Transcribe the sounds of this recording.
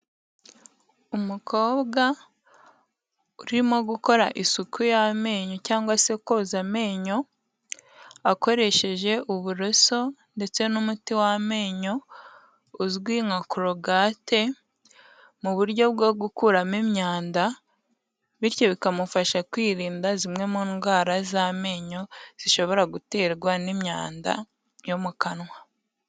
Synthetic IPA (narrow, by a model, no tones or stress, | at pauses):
umukʰo̞ːβɡa | uɾimo̞ɡuko̞ɾaʔisukʰujame̞ːɲo̞caːŋɡwase̞koːzame̞ːɲo̞ | ako̞ɾe̞ʃe̞ʒe̞ʔuβuɾoso̞nde̞t͡se̞numutiwame̞ːɲo̞ː | zɡwiːŋakuɾo̞ɡaːte̞ | muβuɾɟo̞bɡo̞ɡukuɾamimɲaːnda | βiɾjo̞βikamufaʃakwiːɾiːndazimŋe̞muːŋɡwaːɾazame̞ːɲo̞z̥iʃo̞βo̞ɾaɡute̞ːɾɡwanimɲa̰ːnda̰ | jo̞mukanwa